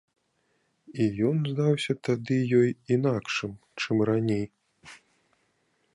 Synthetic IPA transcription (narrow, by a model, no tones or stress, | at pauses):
ijɔnzd̪awsʲɐt̪ad̪ɨjɔjinakʂɨm | t͡ʂɨmranʲej